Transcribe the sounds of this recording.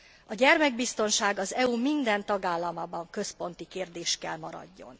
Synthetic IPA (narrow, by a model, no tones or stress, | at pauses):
ɒɟɛrmɛɡ̚bist̪o̞nʃaːɡɒzɛumind̪ɛnt̪ɒɡaːlːɒmaːbɒŋkø̞spo̞nt̪ikeːrd̪eːʃkɛlmɒɾɒ̰ɟːo̞̰n